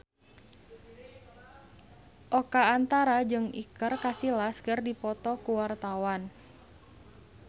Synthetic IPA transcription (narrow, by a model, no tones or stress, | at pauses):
ʔokaːnt̪aɾad͡ʒɨŋḭkərkasilaskərdipɔt̪ɔkuwart̪awan